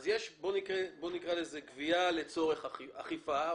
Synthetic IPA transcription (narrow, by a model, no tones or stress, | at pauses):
zjeʃbo̞nikʁebo̞nikʁalezeɡviale̞t͡so̞ʁe̞χaχifa